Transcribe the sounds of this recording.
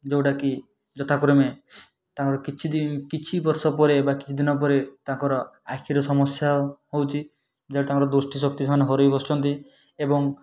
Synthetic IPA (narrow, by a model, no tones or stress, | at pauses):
d͡ʒewʈaki | d͡ʒɔt̪ʰakɾɔme | t̪ãkɔɾɔkit͡ʃʰid̪inkit͡ʃʰibɔɾsɔpɔɾebaki̥t͡ʃʰid̪inɔpɔɾet̪ãkɔɾɔakʰiɾɔsɔmɔsjaɦowt͡ʃʰi | d͡ʒaɽet̪ãŋkɾɔd̪osʈisɔk̚t̪isɔmɔneɦɔɾojbɔst͡ʃʰɔnt̪i | ebɔŋ